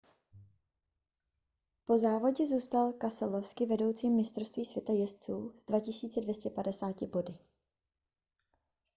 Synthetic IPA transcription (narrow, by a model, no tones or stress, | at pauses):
po̞zaːvo̞ɟɛzuːst̪alkasɛlofskɪvɛdo̞wt͡siːmmɪst̪ɾost̪viːsvjɛt̪ajɛst͡suːz̥dvacɪsiːt͡sɛdvjɛscɛpadɛsaːcɪbo̞dɪ